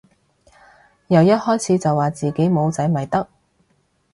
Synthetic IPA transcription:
jɐ˨wjɐ˥t̚hɔː˥jt͡sʰiː˨˥t͡sɐ˨wːaː˨˩t͡siː˨ke˨˥jmo˨˧wt͡sɐ˨˥jmɐ˨˩jt̪ɐ˥k̚

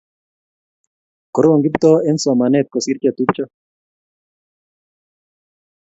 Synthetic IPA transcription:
kɔ˨ɾo˦o˨ŋɡi˦bt̪ɔ˦ɛ˦nsɔ˨ma˨nɛt̪̚kɔ˨si˦ɾka˨t̪u˦pt͡ʃɔ˦

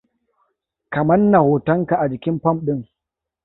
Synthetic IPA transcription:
kɐ˨mɐ˦nːɐ˨hoː˨tɐ˦ŋka˨ʔa˨d͡ʒɪ˨kʲɪ˦mpɐ˦mɗɪ˦ŋ

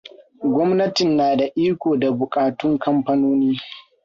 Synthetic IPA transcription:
ɡʷɔ˦mnɐ˦tɪ˨nːaː˨da˨ʔiː˦kʷoː˨da˨bʊ˨kʼaː˨tʊ˦ŋkɐ˦mɸɐ˦noː˦niː˦

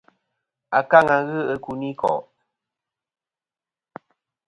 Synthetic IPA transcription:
a˨ka˦˨ŋa˨˦ɣɨ˦ə˨ku˨ni˦kʰɔ̰˨ʔ

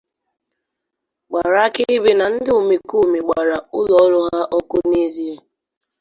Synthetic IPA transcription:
ɡ͡ba˨ɾa˦kɪ˦bi˨na˨n̩˦dɪ˦u˨me˨ku˦˨me˨ɡ͡ba˨ɾa˨ʊ˦lɔ˦ɾʊ˦ɦa˦ʔɔ˦kʊ˦ni˦zi˦e˦

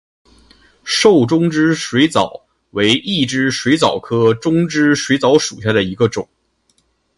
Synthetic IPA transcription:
ʂo˥˩ʊʈ͡ʂʊ˥ŋʈ͡ʂɻ̩˥ʂwe˧˥ɪt͡sɑ˨˩˦ʊ | we˧˥ɪʔi˥˩ʈ͡ʂɻ̩˥ʂwe˧˥ɪt͡sɑ˨˩ʊkʰɤ˥ʈ͡ʂʊ˥ŋʈ͡ʂɻ̩˥ʂwe˧˥ɪt͡sɑ˧˥ʊʂu˨˩ɕ̬ja˥˩d̪ə˩i˧˥ɡə˧ʈ͡ʂʊ˨˩˦ŋ

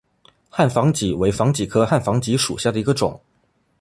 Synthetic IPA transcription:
xa˥˩nfɑ˧˥ŋt͡ɕi˨˥˩we˧˥ɪfɑ˧˥ŋt͡ɕi˨˩kʰɤ˥xa˥˩nfɑ˧˥ŋt͡ɕi˧˥ʂṵ˨˩ɕja˥˩d̪ə˩i˧˥ɡə˧ʈ͡ʂʊ̰˨˩˦ŋ

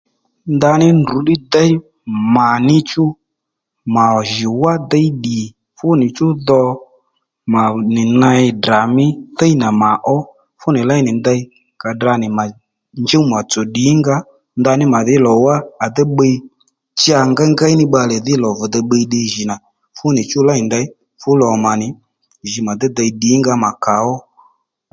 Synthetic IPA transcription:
nd̪a˧nɪ˦ndu˨˦ɗɪ˦d̪a˦i˦ | ma˨nɪ˦t͡ʃʊ˦ | ma˨ɔ˨ʒɪ˨wa˦d̪a˦i˦ɗi˨ | fʊ˦nɪ˨t͡ʃʊ˦ðɔ˧ | ma˨nɪ˨na˧ɪ˧da˨mɪ˦θə˦i˦na˨ma˨ʔɔ˦ | fʊ˦nɪ˨la˦jnɪ˨nd̪a˧i˦ | ka˨da˧nɪ˨ma˨ | nd͡ʒɛ˦u˦ma˨t͡sɔ˨ɗɪ˨˦ŋɡa˦ | nd̪a˧nɪ˦ma˨ðɪ˦lɔ˨wa˦a˨d̪ɛ˦ɓə˧i˦ | t͡ʃɪ˦a˧ŋɡa˦ŋɡa˦i˦nɪ˦ɓa˧lɛ˨ðɪ˦lɔ˨vɔ˨d̪ɛ˧ɓə˧i˧ɗɪ˧ʒi˨na˨ | fʊ˦nɪ˨t͡ʃʊ˦la˦ɪ˨nda˧ɪ˦ | fʊ˦lɔ˨ma˨nɪ˨ | ʒi˨ma˨d̪ɛ˦d̪a˧i˧ɗi˨˦ŋɡa˦ma˨ka˨˦ɔ˦

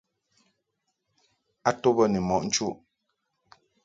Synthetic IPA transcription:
a˦to˦bə˦nɛ˨mɔ˨ʔn̩˦t͡ʃu˦ʔ

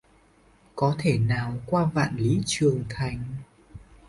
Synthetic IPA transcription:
kɔ˨˦t̪ʰe˧˩naː˨˩wkwaː˧va̰ː˧˨nli˨˦t͡ɕɨ˨˩əŋt̪ʰa˨˩jŋ̟

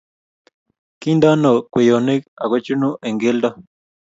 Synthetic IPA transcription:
ki˦nd̪a˦no˨kwe˨jo˨ne˦ka˨ke˦t͡ʃu˦nũ˦ʔe˨ŋɡe˦ld̪a˦

